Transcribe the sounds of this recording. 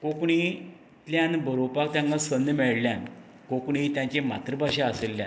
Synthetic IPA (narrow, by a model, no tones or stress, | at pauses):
kokɳi | t̪ljãnbʱəɾopak̚t̪jãŋkasənəmɛɭljãn | kokɳ̃it̪jãɲt͡ɕema̰t̪ɾəbaɕeəselːja̰